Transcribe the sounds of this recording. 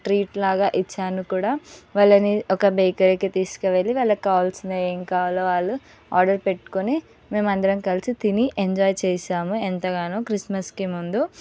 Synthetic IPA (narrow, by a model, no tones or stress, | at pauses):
ʈɾiːʈlaːɡaːʔit͡ʃːaːnukuːɽaːʋɐlːɐniɔkɐbejkɐɾikit̪iːsu̥kɐʋelːiʋɐlːɐkaːlsneeŋkaːloːʋaːɭːu | aːɾɖɐɾpe̞ʈːu̥kuni | me̞ːmɐnd̪ɐɾɐmkɐlisit̪iniʔeɲd͡ʒaːjt͡ʃɛːʃaːmuent̪ɐɡaːnoːkɾismɐskimund̪u